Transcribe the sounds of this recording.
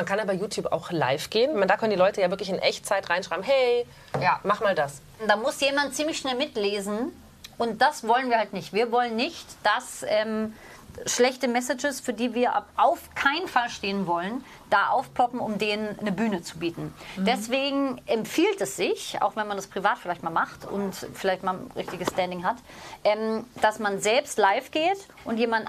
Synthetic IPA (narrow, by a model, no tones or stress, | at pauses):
mankʰanjaːbaɪjuːtʰjuːpa̰ʊxla̰ɪfɡ̥eːənmandaːkʰœndilɔʏtəjaːvɪɐklɪçɪnʔɛç̚t͡saɪtʁaɪnʃʁ̥aɪbmɦɛɪ | jamaχmaːldas | d̥aːmʊsjeːmant̚t͡siːmlɪçʃnɛlmɪtleːzn̩ | ʔʊnt̚d̥asv̥ɔlənviːɐhaltnɪçtviːɐvɔlənːɪçtd̥asʔɛːm | ʃlɛçtəmɛsɪd͡ʒəsfyːɐdiːviːɐʔʔaʊfkʰaɪnənfalʃteːənvɔlən | d̥aːʔaʊfplɔpm̩ʊmdeːnənːəbyːnət͡subiːtn̩d̥ɛsv̥eːɡŋ̩ʔɛmfiːltɛsz̥ɪçʔa̰ʊxv̥ɛnmandaspʁ̥ivaːtfɪlaɪçtmaːlmaχtʊ̰ntfɪlaɪçtmaːʁɪçtɪɡəstɛndɪŋɦat | ʔɛːmd̥asmanzɛlpstlaɪfɡ̥eːt | ʔʊntjeːmandn